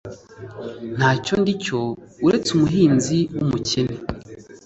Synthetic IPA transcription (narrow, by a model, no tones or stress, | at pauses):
n̥haːco̞ndico̞uɾe̞t͡sumuɦiːnziwumucene